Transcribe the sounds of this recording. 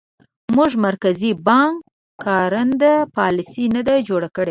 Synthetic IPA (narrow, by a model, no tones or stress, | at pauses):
muʐmaɾkazibɑŋkʰː | ɑɾənd̪əpɑlɪsinad̪ad͡ʒoɽakəɽe